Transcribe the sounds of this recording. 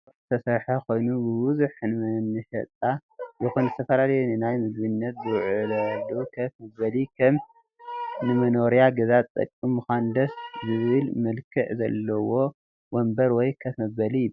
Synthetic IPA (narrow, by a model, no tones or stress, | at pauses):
ɨt̪ʰɐsɐɾħɐkʰo̞jnubɨwuzuħnɨmɨnːɨʃɐ̰t̪ʼajɪxunzɨt̪ʰɐfɐlalɐjunɨnajmɨd̪βɨnːɐt̪̚bɨɾʕlɐlukʰɐt̪mɐɐlikʰɐm | nɨmɐno̞ɾijaɡɐzaɐ̰kʼːimːuxand̪ɐszɨβɨlmɐlkʰɨʕzɐ̰lːɐwo̞ | wɔmbɐɾwɔjkʰɐt̪mɐbbɐlijɪ